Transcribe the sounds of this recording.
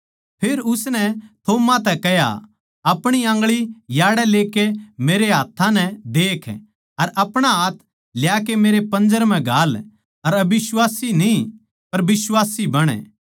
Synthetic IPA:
pʰeːɾʊsnɛt̪ʰoːmat̪ɛkɛɦja̰ | ɐpɽ̃iãːŋɡɭijaːɽɛleːkemeːɾeɦaːt̪ʰːãnɛ̃d̪eːkʰ | ɐɾɐpɽ̃aaːt̪ʰ | ljaːkemeːɾepɐ̃nd͡ʒəɾm̤ɛ̃ɡʱaːl | ɐɾɐbɪswaːsinĩ | pɐɾbɪswaːsibɐɽ̃ɛ̰ː

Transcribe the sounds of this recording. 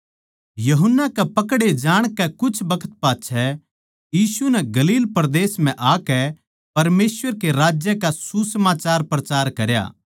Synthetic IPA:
jɐɦʊnːakɛpɐkɽed͡ʒaːɽ̃kɛkʊt͡ʃʰbɐkʰə̥t̪̚paːtʃʰɛ | jiːsunɛɡɐliːlpɾd̪eːsm̤ɛ̃ʔaːkɛ | pɐɾmeːsʋəɾkeɾaːd͡ʒjəkasusɐmaːt͡ʃaːɾpɾɐt͡ʃaːɾkɐɾja̰ː

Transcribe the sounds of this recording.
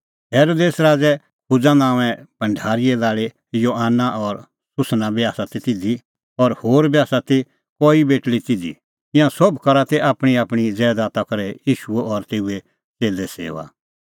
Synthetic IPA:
jɛːɾoːd̪eːsɾaːd͡zɛ | pʊd͡zanãːʋɛ̃b̥ʱɐ̃ɳɖʱaːɾijɛlaːɭe | joːɦaːnaʔɔɾ | sʊsnãbijaːsat̪it̪ɪd̪i | ɔɾhoːɾbjaːsat̪i | kɔːibeːʈlit̪ɪd̪ḭ | ɪ̃jãsɔbkɐɾat̪ɛʔaːpɽ̃iaːpɽ̃id͡zɛːd̪aːt̪akɐɾɛjiːʃuɛɔɾt̪eːue | t͡seːlɛsḛːʋa̰

